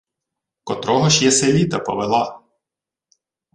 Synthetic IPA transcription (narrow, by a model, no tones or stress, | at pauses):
kɔt̪ɾɔɦɔʃjɛselʲit̪ɐpɔ̰ʋelˠɑ